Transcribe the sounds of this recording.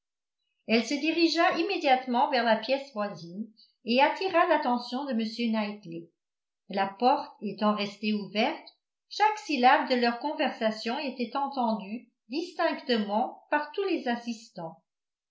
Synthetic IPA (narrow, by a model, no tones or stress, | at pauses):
ɛlsəd̪iʁiʒaʔimed̪jat̪mɑ̃vɛʁlapjɛsvwazin | eat̪iʁalat̪ɑ̃sjɔ̃d̪əməsjønajt̪le | lapɔʁt̪et̪ɑ̃ʁɛst̪euvɛʁt̪ | ʃaksilab̚d̪əlœʁkɔ̃vɛʁsasjɔ̃et̪ɛt̪ɑ̃t̪ɑ̃d̪y | d̪ist̪ɛ̃kt̪əmɑ̃paʁt̪ulezasist̪ɑ̃